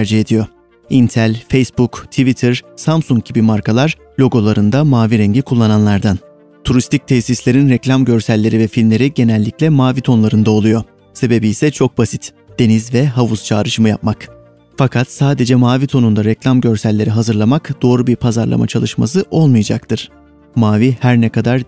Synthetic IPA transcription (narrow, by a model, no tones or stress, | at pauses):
æɾd͡ʒiɦe̞d̪ijo̞ | int̪ʰælʲfejsbukt̪ʰivit̪ʰɯɾsamsuŋk̚ɟ̥ibimaɾkʰalˠaɾ | lʲo̞ɡo̞lˠaɾɯnd̪amaːviɾɛɲɟikʰulˠːananlˠaɾd̪an | t̪ʰuɾist̪ʰic̚t̪ʰɛsislʲe̞ɾinɾɛclʲamɟø̞ɾsælʲːe̞ɾivɛfilʲmlʲeɾiɟe̞nɛlʲːicʲlʲɛmaːvit̪ʰo̞nlˠaɾɯnd̪ao̞lˠujo̞ | se̞be̞biːsɛt͡ʃʰo̞k̚basit̪ | d̪̥e̞nizvɛɦavust͡ʃʰaːɾɯʃɯmɯjap̚mak | fakʰat̪saːd̪e̞d͡ʒɛmaːvit̪ʰo̞nund̪aɾɛclʲamɟø̞ɾsælʲːe̞ɾiɦazɯɾlˠamakd̪̥o̞ːɾubiɾpʰazaɾlˠa̰ma̰t͡ʃʰalˠɯʃma̰sɯʔo̞lˠmɯjad͡ʒa̰k̚t̪ʰɯɾ̥ | maːvihæɾnɛkʰad̪aɾ